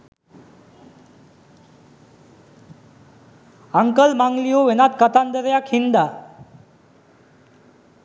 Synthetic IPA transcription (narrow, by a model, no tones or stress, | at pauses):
aŋkəlmaŋɡlijoʋenat̪kət̪and̪əɾjakʰind̪a